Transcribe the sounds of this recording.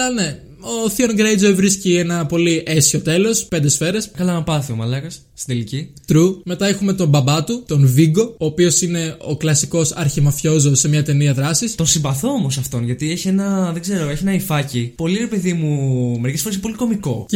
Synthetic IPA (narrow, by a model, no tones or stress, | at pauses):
ne̞ | oθionɡɾejd͡zojvɾiscie̞nɐpo̞liʔesço̞t̪e̞lo̞spe̞nd̪e̞sfe̞ɾe̞skɐlɐnɐpɐθiomɐlɐkɐs | st̪id̪elicit̪ɾume̞t̪ɐexume̞t̪o̞mbɐbɐt̪ut̪o̞nviɡo̞oːpio̞sine̞o̞klɐsiko̞sɐɾçimɐfço̞zose̞mɲɐt̪e̞niɐðɾɐsist̪o̞nsimbɐθo̞omo̞sɐft̪o̞nʝɐt̪ieçienɐðeɡze̞ɾoeçienɐifɐcipo̞liɾe̞peðimume̞ɾicesfo̞ɾes̬ipo̞liko̞miko̞e